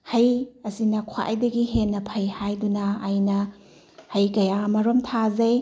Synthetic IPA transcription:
hɐjɐsinɐkʰwa̰ʔjdɐɡiɦenːɐpʰɐjhajdunɐːjnɐ | hɐjkɐjaɐmɐɾomtʰazɐj

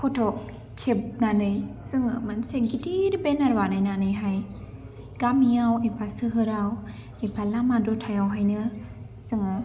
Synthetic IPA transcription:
pʰɔtʰɔk̚ | kʰːip̚nanɯjsɯŋɯ̰mɯnseŋɡitiɾbenaɾwanɯjnanɯjɦaj | ɡ̥amiawepʰasɯɦɯɾaw | epʰalamadɔtʰajawɦajnɯ | sɯŋɯ

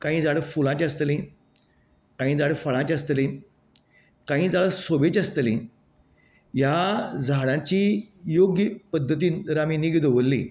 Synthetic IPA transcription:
kãɦĩːd͡zaɽəfulãt͡ɕəst̪lĩ | kãɦĩːd͡zaɽ̤əfəɭãt͡ɕəst̪lĩ | kãɦĩːd͡zaɭəsobet͡ɕəst̪lĩ | jad͡zaɽãt͡ɕiːjoɡjəpəd̪ʱːət̪iːnɾamiːniɡd̪oʋəlːĩ

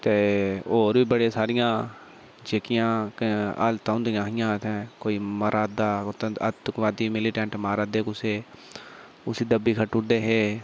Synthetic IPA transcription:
t̪eːoːɾʋiːbəɽeːsaːɾɪjãː | d͡ʒeːkɪjãːə̰lt̪ãːnd̪ijãːɦɪjãːt̪ʰɛ̃ːkoːiːməɾʔaːd̪aːt̪ːət̪ːʊkʋaːd̪iːmɪliʈɛ̃ːɳʈmaːɾaːd̪eːkʊseː | ʊsiːd̪əbiːkʰəʈːʊʈd̪eːɦeː

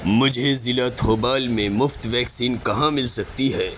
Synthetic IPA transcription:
mʊd͡ʒʱezɪlat̪ʰoːbaːlmẽmʊft̪ʋɛːksiːnkɐɦãmɪlsɐkt̪iɦɛː

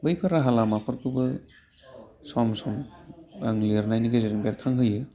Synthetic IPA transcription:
bɯjpʰɯɾaɦalamapʰɯɾkʰɯbɯ | samsɔmaŋliɾnajniɡazeɾiŋbeɾkʰaŋɦɯjɯ

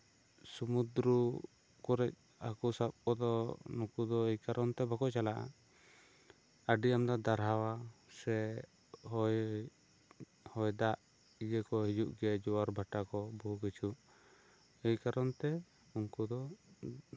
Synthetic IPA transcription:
sumud̪ɾu | kɔɾɛc̚ | a̰kusap̚kɔd̪ɔnukud̪ɔejkaɾɔnt̪ɛbakɔt͡ʃalaʔa̰ | əɖiamd̪ad̪aɾɦawasɛ | hɔj | hɔjd̪aʔ | ijəkɔɦid͡ʒuʔɡɛɛd͡ʒɔwaɾbʱaʈakɔbukit͡ʃʰuʔ | ɛjkaɾɔnt̪ɛ | uŋkud̪ɔ

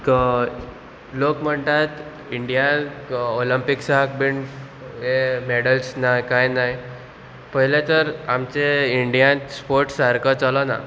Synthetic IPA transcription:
k | lokm̤əɳt̪at̪ | iɳɖijanoləmpiksak̚biɳ | emeɽəlsnajkajnaj | pəɦilet̪əɾamt͡seiɳɖijãnspoɾʈsaɾkət͡salɔna̰

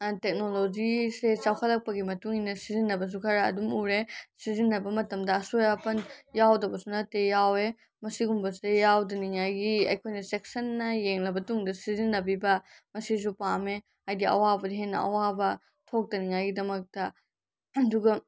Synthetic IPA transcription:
tek̚nolod͡ʒiset͡ʃawkʰɐlɐk̚pɐɡimɐtuŋinɐsizinːɐbɐs̬ukʰɐɾɐɐ̰dumuɾesizinːɐbɐmɐtɐmdɐɐsojapɐnjawdɐbɐsunɐtejawe | mɐsiɡumbɐsejawdɐniŋajɡiɐ̰jkʰojnɐsek̚sɐnːɐjeŋlɐbɐtuŋdɐsizinːɐbibɐ | mɐsis̬upame | ajdiɐ̰wabɐdɐɦenːɐ̰ɐ̰wabɐ | tʰok̚dɐniŋajɡidɐmɐk̚tɐ | ɐduɡɐ

